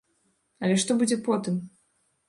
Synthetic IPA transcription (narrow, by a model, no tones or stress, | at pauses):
ɐlʲɛʂt̪ɔbud͡zʲɛpɔt̪ɨm